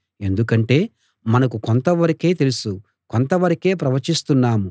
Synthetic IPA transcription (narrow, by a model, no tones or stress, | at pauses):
e̞nd̪ukɐɳʈe̞ː | mɐnɐkukont̪ɐʋɐɾɐke̞ːt̪e̞lusu | kont̪ɐʋɐɾɐke̞ːpɾɐʋɐɾt͡ʃist̪unːaːmu